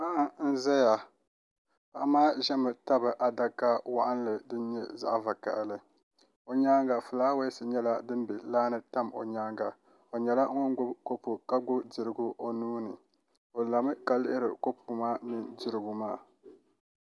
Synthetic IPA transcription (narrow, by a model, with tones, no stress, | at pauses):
ma˦ʔa˦n̩˦za˦ja˨ | pa˨ʔa˦maː˦ʒɛ˦mɨ˨ta˦bɨ˨ʔa˨da˦ka˦wa̰˦ʔa˦n˦lɨ˨dɨ˦nɲɛ̰˦za̰˦ʔva˨ka̰˨ʔlɨ˦ | o˨ɲa˦ŋɡa˨fɨ˨laː˦we˦sɨ˨ɲɛ˦la˦dɨ˦m˦bi˨laː˦nɨ˦ta˦mo̰˨ɲa˦ŋɡa˨ | o˨ɲɛ˨la˦ŋ˦ɔ˦n˦ɡʊ˦ko˦pu˨ka˦ɡʊ˦bdɪ˨ɾɨ˦ɡʊ˦ʔo˨nuː˦nɨ˨ | o˨la˨mɨ˦ka˦lɪ˦ʔɪ˦ɾɨ˨ko˦pu˨maː˦mi˦ndɪ˦ɾɨ˦ɡʊ˦maː˦˨